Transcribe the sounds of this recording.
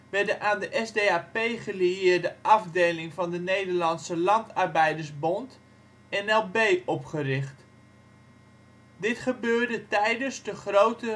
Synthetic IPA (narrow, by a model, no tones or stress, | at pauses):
ʋɛɹdəʔaːndəʔɛsdeːaːpejχəliɪːɹdəʔɑfdejlɪŋvɑndənejdəɹlɑnsəlɑntɑrbɛjdəɹsbɔnt | ɛnɛlˠbejʔɔpχərɪχt | dɪtχəbøːɹdətɛjdəsdəχrowtə